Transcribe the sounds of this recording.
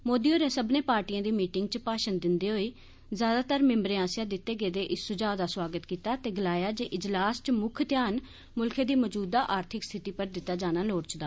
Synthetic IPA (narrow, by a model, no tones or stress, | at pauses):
moːd̪iːoːɾẽːsəbnẽːpaːɾʈiːãːd̪iːmiːʈɪŋɡt͡ʃpaːʃənd̪ɪnd̪eːɦoːiː | zjaːd̪aːt̪əɾmɪ̃mbɾeːãːsjaːd̪ɪt̪ːeːɡeːd̪eːʔɪsːʊd͡ʒaːd̪aːswaːɡət̪kiːt̪aːt̪eːɡəlaːjaːd͡ʒeːʔɪd͡ʒlaːst͡ʃmʊkʰt̪jaːn | mʊlkʰeːd̪iːməd͡ʒuːd̪aːʔaːɾt̪ʰɪkst̪ʰɪt̪iːpəɾd̪ɪt̪ːaːd͡ʒaːnaːloːɽt͡ʃd̪aː